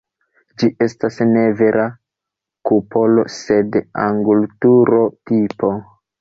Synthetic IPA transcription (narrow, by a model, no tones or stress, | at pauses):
d͡ʒiʔe̞stasne̞ve̞ɾʔa | kupo̞lo̞̰se̞da̰ŋɡultuɾo̞tipo̞